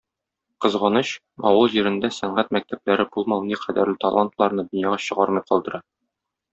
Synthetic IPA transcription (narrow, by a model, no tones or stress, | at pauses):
qɤ̆zʁɑnɤɕ | ɒwɤlˠʑiɾɘ̆nd̪æsæɴʁæt̪̚mæk̚t̪æp̚læɾɘbulˠmɑw̪ˠniqʰæd̪æɾlɘt̪ɐlˠant̪lˠɑɾnɤd̪ɵ̆njɑʁɑɕɤ̆ʁɑɾmɤjqɒlˠd̪ɤ̆ɾɑ